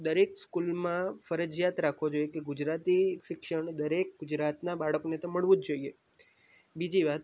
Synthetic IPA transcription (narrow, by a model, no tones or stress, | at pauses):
d̪əɾekskulmãfəɾəd͡ʒjat̪ɾakʰʋod͡ʒojekeɡʊd͡ʒɾat̪iʃɪkʃəɳd̪əɾek̚ɡʊd͡ʒɾat̪nabaɭəkonet̪oməɭʋũd͡ʒd͡ʒoie | bid͡ʒiʋat̪